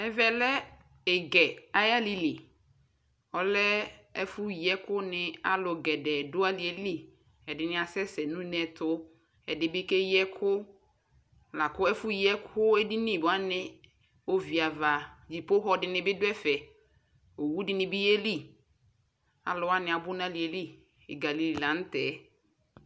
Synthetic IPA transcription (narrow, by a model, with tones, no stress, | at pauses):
ɛ˨vɛ˨lɛ˦ | ɛ˨ɡɛ˨a˨ja˦li˨li˨ | ɔ˨lɛ˦ɛ̰˦fʊ˦jɛ˦kʊ˦nɪ̃˨a̰˦lʊ˨ɡɛ˨dɛ˨dʊ˦a˦li˨e˨˦li˦ | ɛ˨dɪ˨nɪ̃˦a˨sɛ˦sɛ˨nũ˦nɛ˨tʰʊ˦ | ɛ˨dɪ˨bɪ˦ke˦jɛ˦kʰʊ˦ | la˨kʊ˦ɛ˦fʊ˦jɛ˦kʰʊ˦ɛ˦di˦nɪ̃˦˨bʊ˨a˦nɪ̃˨ | o˦vi˨a˨va˨d͡ʑi˨po˦ɦɔ˦dɪ˨nɪ̃˦bɪ˦dʊ˦ɛ˦fɛ˨ | o˨wu˦dɪ˨nɪ̃˨bɪ˦je˦li˦˨ | a̰˨lʊ˨˦a˦nɪ̃˨a˨bʊ˦nã˦li˨e˨li˦˨ | ɡa˨li˨li˨la˨n̩˦tɛː˨˦